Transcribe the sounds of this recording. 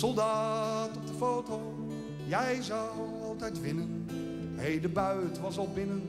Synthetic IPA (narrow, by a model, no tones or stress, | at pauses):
sɔlˠdaːtɔp̚dəfowtow | jɛjzʌw | ɑlˠtɛjtʋɪnən | ɦejdəbœɥtʋɑsɑlˠbɪnən